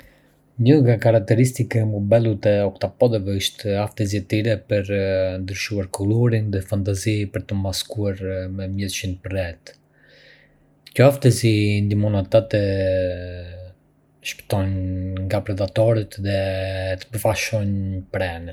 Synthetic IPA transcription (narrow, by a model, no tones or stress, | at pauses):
ɲəŋɡakaɾak̚t̪ɛɾis̬t̪ikɛmɔbɛlˠut̪ɛɔkt̪apɔd̪ɛvɛiʃt̪aft̪ɛziɛt̪iɾɛpəɾd̪ɾəʃuaɾkɔlɔɾinðɛfant̪azipəɾt̪əmaskuaɾmɛmjɛðʃinpəɾɛt̪ | kɔaft̪ɛzind̪imɔnat̪at̪ɛ | ʃpə̥t̪ɔnŋɡapɾɛd̪at̪ɔɾit̪ðɛt̪ə̥pəfaʃɔnpɾɛn